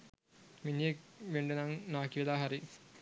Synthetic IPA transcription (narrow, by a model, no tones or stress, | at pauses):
minijekʋeɳɖenɐŋnaːkiʋɐlaːɦɐɾi